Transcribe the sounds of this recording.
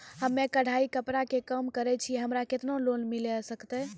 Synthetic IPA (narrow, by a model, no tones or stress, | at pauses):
həmːekəɽ̤ʱaikəpɾakekəmkəɾɛt͡ʃʰiɦəmɾaket̪nolonmilɛsəkt̪ɛ